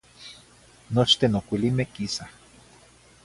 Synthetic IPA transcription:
not͡ʃt̪enokʷilimekisa

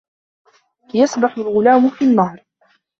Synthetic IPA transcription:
jasˤbaħʊlɣʊlaːmʊfinːɑːɾˤ

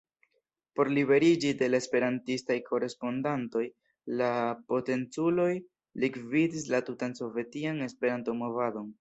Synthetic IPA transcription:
po̞ɾlibe̞ɾid͡ʒide̞laespe̞ɾantistajkʰo̞ɾe̞spo̞ndanto̞j | lapo̞te̞nt͡sulo̞j | likvidis̬latutanso̞vetiane̞spe̞ɾanto̞mo̞vado̞n

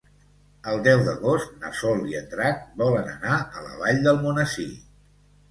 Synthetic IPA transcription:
əlˠd̪ɛwd̪əɣost̪nə̰sɔliənt̪ɾak̚bɔlənə̰naələ̰βaʎd̪əlˠmunəsi

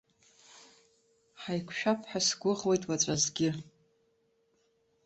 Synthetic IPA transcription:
ħajkʷʰʃᶣapʰħᶣasɡʷʊʁwe̞jtʼwat͡ɕʷʼazɡʲɪ

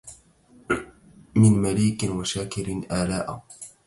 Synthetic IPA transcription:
mɪnmaliːkɪnwaʃaːkɪɾɪnʔaːlaːʔa

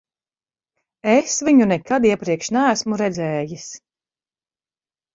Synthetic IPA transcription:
esviɲunɛkad̪iɛpɾiɛkʃnæːsmuɾɛd̪zɛːjis

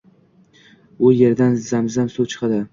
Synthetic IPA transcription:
ʊje̞ɾd̪anzamzamsuwt͡ʃʰɨ̥qɑd̪ɪ

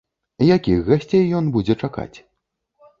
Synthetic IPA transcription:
jakʲixɣasʲt͡sʲejːɔnbud͡zʲɛt͡ʂaka̰t͡sʲ

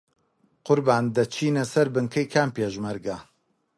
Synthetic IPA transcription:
qʊɾbaːnd̪ɐt͡ʃʰiːnɐsɐɾbɨŋkʰɐjkʰaːmpeːʒmɐɾɡɐ

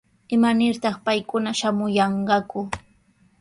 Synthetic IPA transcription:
ɪmanɪɾt̪ɑχpajkʊnaʃamʊjɑɴɢɑkʊ

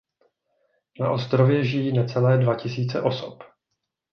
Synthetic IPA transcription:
na̰ʔo̞st̪ɾovjɛʒɪjiːnɛt͡sɛlɛːdvacɪsiːt͡sɛʔo̞sop

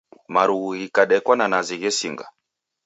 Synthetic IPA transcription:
maɾuɣuɣikaɗɛkwananaziɣɛsiŋɡa̰

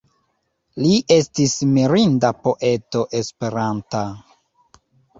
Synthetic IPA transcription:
liʔe̞stismiɾindapo̞ʔe̞to̞ʔe̞spe̞ɾanta

